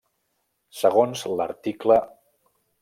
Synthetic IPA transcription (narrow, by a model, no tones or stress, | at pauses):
səɣ̞onzlə̰ɾt̪iklə